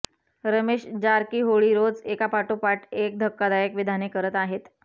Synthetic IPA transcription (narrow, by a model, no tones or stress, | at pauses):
ɾəmeɕd͡ʑaɾkiːɦoɭiɾod͡zekapaʈopaʈek̚d̪ʱəkːad̪ajəkʋid̪ʱanekəɾət̪aɦet̪